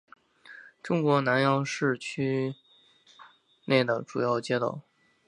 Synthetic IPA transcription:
ʈ͡ʂʊ˥ŋkwɔ˧˥na˧˥njɑ˥ʊʂɻ̩˥˩t͡ɕʰy˥ | ne˥˩ɪd̪ə˩ʈ͡ʂṵ˨˩jɑ˥˩ʊt͡ɕjɛ˥t̪o̰˥˩ʊ

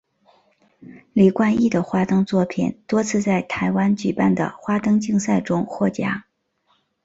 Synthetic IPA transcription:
li˨˩kwa˥˧ni˥˩d̪ə˩xwa˥t̪ɤ˥ŋt͡swɔ˥˩pʰḭ˨˩nt̪wɔ˥t͡sʰɹ̩˥˧t͡sa˥˩ɪt̪ʰa˧˥ɪwa˥nt͡ɕy˨˩pa˥˩nd̪ə̰˩xwa˥t̪ɤ˥ŋt͡ɕi˥˧ŋsa˥˩ɪʈ͡ʂʊ˥ŋxwɔ˥˩t͡ɕja̰˥˩

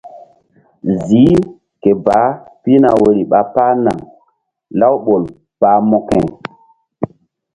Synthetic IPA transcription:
ziː˨˦ | ke˨ba˨˦pi˦na˨we˨ɾi˨ɓa˨pa˦na˨ŋ | la˦wɓo˨l | paː˨mɔ˨kɛ̃˨

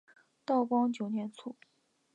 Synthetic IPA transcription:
t̪ɑ˥˩ʊkwɑ˥ŋt͡ɕjo˨˩ʊnjɛ˧˥nt͡sʰu˥˩

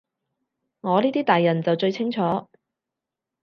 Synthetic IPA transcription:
ŋɔː˨˧niː˥t̪iː˥t̪aː˨jːɐ˨˩nt͡sɐ˨wt͡ʃɵ˧ɥt͡sʰɪ˥ŋt͡ʃʰɔː˨˥

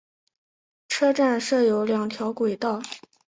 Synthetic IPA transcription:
ʈ͡ʂʰɤ˥ʈ͡ʂa˥˧nʂɤ˥˩jo˧˥ʊljɑ˨˩ŋt̪ʰjɑ˧˥ʊkwe˨˩ɪt̪ɑ˥˩ʊ

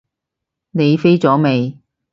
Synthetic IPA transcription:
ne˨˧jfe˥jt͡sɔː˨˥me˨˧j

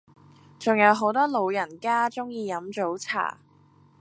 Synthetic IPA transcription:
t͡sʊ˨ŋjɐ˨˧˥wɦo˨˥wt̪ɔː˥lo˨˧wjɐ˨˩nkaː˥t͡sʊ˥ŋjiː˧jɐ˨˥mt͡so˨˥wt͡sʰa̰ː˨˩

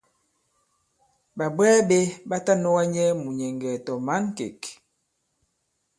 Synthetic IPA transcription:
ba˨bwɛː˦be˦ba˦ta˦nɔ˦wa˦ɲɛ˦mu˨ɲɛ˨ŋɡɛ˨tɔ˨ma˦nkḛ˨k

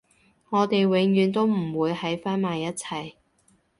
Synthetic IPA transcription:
ŋɔː˨˧t̪e˨jwɪ˨˥ŋjyː˨˧nt̪o˥wm̩˨˩wuː˨˧jhɐ˨˥jfaː˥nmaː˨˧jːɐ˥t̚t͡sʰɐ˨j

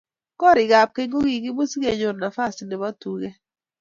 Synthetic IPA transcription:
kɔ˦ɾɪ˨ɡa˨p̚ke˦ŋɡo˦ɡi˨ɡɪ˦bu˦sɡe˨ɲo˨na˨fa˦˨sne˨ba˦tu˨ɡe˦

